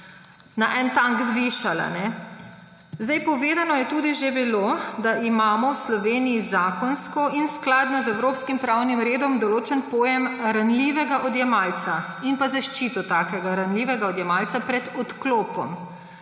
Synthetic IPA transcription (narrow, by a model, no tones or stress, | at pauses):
naʔɛnt̪aŋɡzʋiʃala̰nɛ | zd̪ɛjpɔʋeːd̪anɔjɛt̪uːd̪iʒebilod̪aimaːmɔwslɔʋeːnijizaːkɔnskɔʔinsklad̪nɔzɛwɾoːpskimpɾawnimɾeːd̪ɔmd̪ɔloːt͡ʃɛnpoːjɛmɾanliʋɛɡaʔɔd̪jɛmaːlt̪sa | inpazaʃt͡ʃiːt̪ɔt̪aːkɛɡaɾanliːʋɛɡaɔd̪jɛmaːlsapɾɛd̪ɔt̪kloːpɔm